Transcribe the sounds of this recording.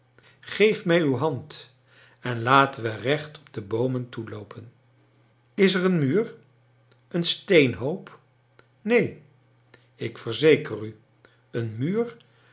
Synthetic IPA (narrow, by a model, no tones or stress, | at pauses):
χejfmɛjywɦɑnt | ɛnlaːtəʋərɛχtɔ̥b̚dəbowməntulowpʰən | ɪsərənmyːr | ənstejnɦowp | nej | ɪkfəɹzejkəry | ənmyːr